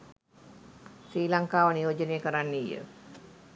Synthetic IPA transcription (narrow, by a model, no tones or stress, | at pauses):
sɾiːlaŋkaːʋəniʋod͡ʒənejəkəɾanːijə̰